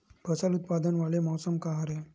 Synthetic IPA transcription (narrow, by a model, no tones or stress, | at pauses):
bʱəsəlut̪̚pad̪ənʋaɭemɔwsəmkaɦaɾe